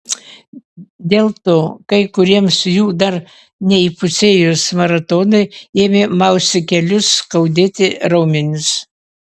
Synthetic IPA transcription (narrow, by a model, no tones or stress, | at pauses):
d̪ʲeːlˠt̪oːkɐɪkʊɾʲiɛmsjuːd̪ɐɾ | nʲɛipʊsʲeːjʊsmɐɾɐt̪oːnɐɪeːmʲemɑʊsʲɪkʲɛlʲʊskɐʊd̪ʲeːt̪ʲɪɾɐʊmʲɪnʲʊs